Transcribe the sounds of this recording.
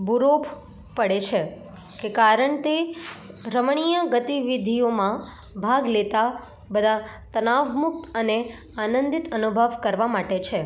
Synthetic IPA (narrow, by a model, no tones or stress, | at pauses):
buɾop | pəɽet͡ʃʰe | kekaɾəɳt̪e | ɾəmɳ̃ijəɡət̪iʋid̪ʱiomã | bʱaɡlet̪a | bəd̪ʱa | t̪ənaʋmuk̚t̪əne | anə̃nd̪it̪ənubʱəʋkəɾʋamaʈet͡ʃʰe